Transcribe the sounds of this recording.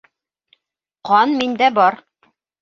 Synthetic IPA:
qɒnmind̪æbɒɾ

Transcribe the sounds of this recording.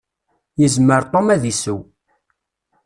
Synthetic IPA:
jəzməɾt̪ˤomæðisuw

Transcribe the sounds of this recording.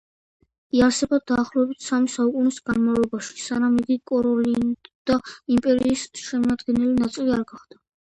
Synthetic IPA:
iaɾsɛbad̪aːχlˠɔvɛbit̪ʰsamisaukʼunisɡanmavlˠɔbaʃi̥sanamiɡ̪ikʼɔɾɔlind̪̥aimpʼɛɾiːsʃɛmad̪ɡɛnɛlinat̪sʼiliaɾɡaχd̪̥a

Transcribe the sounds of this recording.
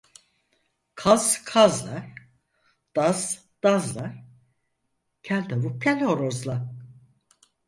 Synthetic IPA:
kʰazkʰazlˠaɾ | d̪̥az | d̪̥azlˠaɾ̥ | cʰænd̪avupʰalʲhoɾozlˠa

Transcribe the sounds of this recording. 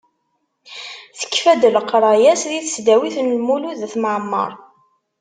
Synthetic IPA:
θə̥kːfæd̪ələqːɾˤɑjæsðiθə̥sd̪æwiθnlmuluðθməʕmːə̰ɾˤ

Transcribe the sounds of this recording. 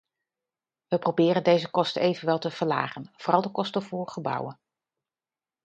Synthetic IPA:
ʋəprowbɪːrəndejzəkɔstəʔejvənʋɛlˠtəv̥əɹla̰ːχənv̥ʊːrɑlˠdəkɔstənvʊːɹχəbʌ̰wən

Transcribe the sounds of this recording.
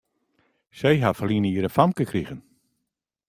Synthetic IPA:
sɛjɦafəlinəiɾəfamkəkriɣən

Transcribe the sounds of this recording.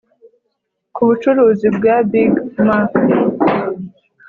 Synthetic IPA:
kʰuβut͡ʃuɾuːzibɡabiɡmak

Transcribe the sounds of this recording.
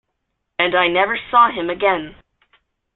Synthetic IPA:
ɨ̃naɪnɛvə˞sɔɦɪ̃mɨɡɛ̃n

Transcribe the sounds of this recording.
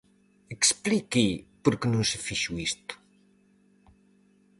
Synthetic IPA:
eksplikipoɾkenũŋsɪfiʃuist̪u̥

